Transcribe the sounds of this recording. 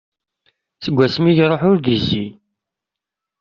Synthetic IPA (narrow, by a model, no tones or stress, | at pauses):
t͡səɡʷːæsmiʝɾˤoħʊɾðizi